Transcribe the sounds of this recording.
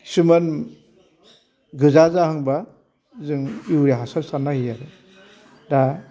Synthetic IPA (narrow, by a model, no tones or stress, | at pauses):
sumɯn | ɡɯzazahɯŋba | zɯŋiwɾeɦasaɾsanːahijaɾɯ | da